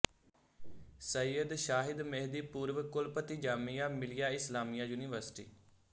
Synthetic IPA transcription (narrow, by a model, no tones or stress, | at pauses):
səjəd̪ʃaːɦɪd̪mɛɦd̪iːpuːɾʋəkʊlpət̪iːd͡ʒaːmijaːmɪlɪjaːɪslaːmijaːjuːniːʋəɾsɪ̥ʈḭː